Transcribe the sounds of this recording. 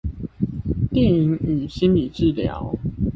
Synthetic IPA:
t̪jɛ˥˩i˨˦ŋy˨˩ɕi˦nli˨˩ʈ͡ʂɻ̩˥˨ljɑ̰˨˦ʊ

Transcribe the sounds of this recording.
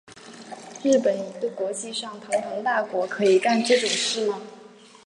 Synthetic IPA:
ɻɻ̩˥˩pə˨˩ni˨˧˥t̪u˥˩kwɔ˧˥t͡ɕi˥˧ʂɑ˥˩ŋt̪ʰʊ˧˥ŋt̪ʰo˧˥ŋt̪a˥˩kwɔ˧˥kʰɤ˧˥i˨˩ka˥˧nʈ͡ʂɤ˥˩ʈ͡ʂʊ˨˩ŋʂɻ̩˥˩nə˩

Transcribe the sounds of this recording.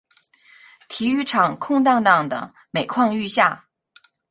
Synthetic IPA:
t̪ʰi˧˥y˧˥ʈ͡ʂʰɑ˨˩ŋkʰʊ˥˧ŋt̪ɑ˥˧ŋt̪ɑ˥˩ŋd̪ə̰˩ | me˨˩ɪkʰwɑ˥˧ŋy˥˧ɕja˥˩

